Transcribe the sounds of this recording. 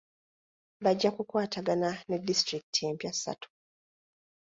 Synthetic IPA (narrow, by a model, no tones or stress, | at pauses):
βaɟːakukwaːtaɡanane̞dːistɾiki̥tieːmpjasːa̰tu̥